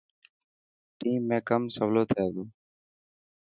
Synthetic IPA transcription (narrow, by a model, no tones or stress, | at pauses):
ʈiːmːẽːkəmsəʋloːt̪ʰeːd̪ũː